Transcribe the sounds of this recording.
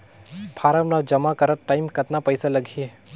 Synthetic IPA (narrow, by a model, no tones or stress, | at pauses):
pʰaːɾamnad͡ʒɐmakəɾəɾ̚ʈajmkət̪napəjsaləɡʱi